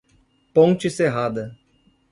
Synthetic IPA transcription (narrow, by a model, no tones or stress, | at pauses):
põnt͡ʃɪseɦad̪ɐ